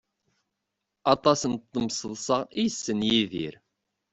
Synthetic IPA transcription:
ɑt̪ˤɑsənt̪ːəmsəðˤsˤəʁijəsːənjiðḭɾ

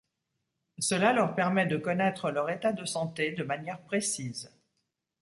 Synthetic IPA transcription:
səlalœʁpɛʁmɛd̪əkɔnɛt̪χəlœʁet̪ad̪əsɑ̃t̪ed̪əmanjɛʁpχesiːz

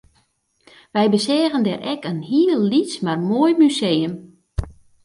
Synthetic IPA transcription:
ʋɛjbəsɛːɣəndɛrʔɛkənhiəlˠːismarmoːjmysejəm

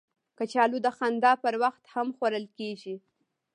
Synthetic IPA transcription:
kət͡ʃɑlud̪əxand̪ɑpəɾwaxt̪hamxwaɾəlkeʒi

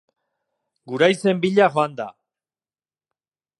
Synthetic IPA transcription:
ɡuɾajse̞mbiʎaxoand̪a̰

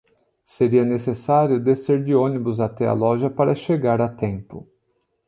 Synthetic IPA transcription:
seɾiɐnesesaɾjʊd̪eseɾd͡ʒɪõnibʊzat̪ɛɐ̰lɔʒɐpaɾɐʃeɡaɾɐt̪ẽmpʊ̰

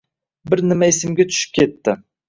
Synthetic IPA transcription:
bɪɾnɪmaesɪmɡʲet̪ʰʊ̥ʃɪ̥p̚kʲʰet̪ːɪ

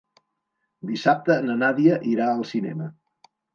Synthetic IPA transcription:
d̪isap̚t̪ənənaðiəʔiɾaəlˠsinɛ̰mə

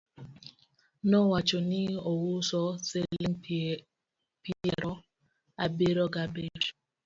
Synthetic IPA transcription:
nɔwat͡ʃɔnɪɔwʊsɔseliŋ | piɛɾɔ | abeɾɔɡabeɾ

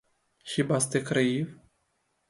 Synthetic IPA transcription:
ʃibast̪ekɾeiv

